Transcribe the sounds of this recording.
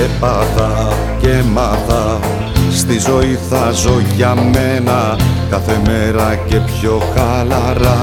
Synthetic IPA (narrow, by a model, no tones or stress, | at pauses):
epɐðɐ | ce̞mɐðɐ | st̪izo̞iθɐzo̞ʝɐmenɐ | kɐθe̞me̞ɾɐce̞pço̞xɐlɐɾɐ